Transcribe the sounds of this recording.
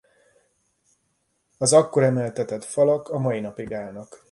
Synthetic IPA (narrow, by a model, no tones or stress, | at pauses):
ɒzɒkːo̞ɾɛmɛlt̪ɛt̪ɛt̪fɒlɒkɒmɒjinɒpiɡaːnɒk